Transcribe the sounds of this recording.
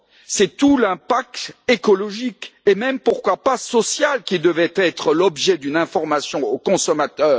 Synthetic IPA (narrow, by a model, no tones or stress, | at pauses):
sɛt̪ulɛ̃pak̚t̪ekɔlɔʒikemɛmpuʁkwapasɔsjalkʲid̪əvɛt̪ɛt̪χəlɔbʒɛd̪ynɛ̃fɔʁmasjɔ̃okɔ̃sɔmat̪œːʁ